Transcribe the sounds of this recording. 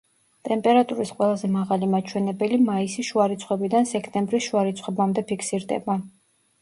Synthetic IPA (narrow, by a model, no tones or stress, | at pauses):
t̪ʼɛmpʼɛɾat̪ʼuɾisqʼwɛlˠazɛmaʁalimat͡ʃʰwɛnɛbɛlimaisiʃuaɾit̪sʰχwɛbid̪ansɛkʰt̪ʼɛmbɾisʃuaɾit̪sʰχwɛbamd̪ɛpʰikʰsiɾd̪ɛ̰ba